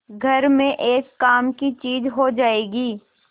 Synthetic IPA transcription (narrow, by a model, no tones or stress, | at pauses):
ɡʱɐɾmẽʔeːkːaːmkit͡ʃiːzɦod͡ʒaːeːɡiː